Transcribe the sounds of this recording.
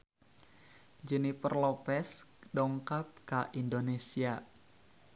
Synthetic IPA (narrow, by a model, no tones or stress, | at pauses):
d͡ʒɛnipərlopɛsdɔŋkap̚kaʔindonesia